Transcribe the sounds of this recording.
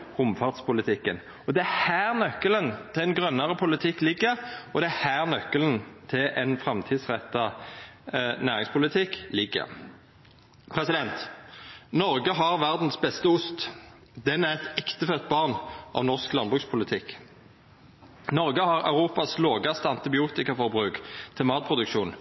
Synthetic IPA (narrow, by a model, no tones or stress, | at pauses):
ʊmfɑʁd̪spʊlɪt̪ʰɪkːən | ɔd̪ɛæhæːʁnœkːələnt̪ʰɪlɛnɡʁœnːəʁəpʰʊlɪt̪ʰɪkːlɪɡːəʁɔd̪ɛæhæːʁnœkːəlnt̪ʰɪlʔɛnfʁɛmt̪ʰiːd̪sʁɛt̪ːɑ | næːʁɪŋspʰʊlɪt̪ʰɪkːlɪɡːə̰ʁ | pʰʁɛsɪd̪ɛnt̪ | nɔʁɡəɦɑʁʋæʁd̪n̩sbɛst̪əʊst̪ | d̪ɛnæʁɛt̪ɛkt̪əfœt̪̚bɑʁnʔɑ̰ʋnɔʁsklɑnbʁʉːkspʰʊlɪt̪ʰɪk | nɔʁɡəhɑʁɑ̰ʉʁuːpɑsloːɡɑst̪əɑnt̪ɪbɪuːt̪ɪkɑfɔʁbʁʉːkt̪ʰɛlmɑːt̪̚pʰʁʊd̪ʉkʃuːn